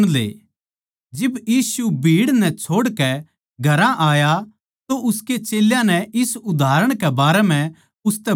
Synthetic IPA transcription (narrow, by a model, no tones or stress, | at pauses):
lḛː | d͡ʒɪbjiːsubʱiːɽnɛt͡ʃʰoːɽkɛ | ɡʱɐɾãʔaːja | t̪oʔʊsket͡ʃeːljãnɛʔɪsʊd̪ʱaːɾəɽ̃kɛbaːɾɛmɛ̃ | ʊst̪ɛ